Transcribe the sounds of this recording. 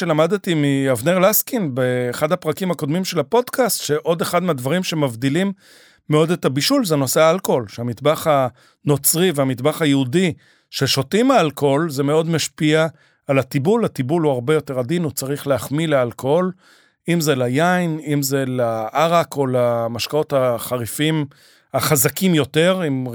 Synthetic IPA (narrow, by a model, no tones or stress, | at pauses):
ʃelamad̪et̪imiavneʁlaskinbeːχadhapʁakimako̞d̪mimʃe̞lapo̞dkastʃe̞ʔo̞d̪e̞χad̪meadvaʁimʃe̞mavd̪ilimː | eo̞detabiʃulzeno̞seaalkoolʃeamid̪baχa | no̞t͡sʁiveamit̪baχajeudi | ʃeʃo̞timaalko̞lzemeo̞dmaʃpiaː | lat̪ibulat̪ibuluaʁbe̞jo̞teʁad̪inut͡saʁiχleaχmilealkool | imzelajajnimzelaʔaʁako̞lamaʃkao̞taχaʁifim | aχazakimjo̞te̞ʁim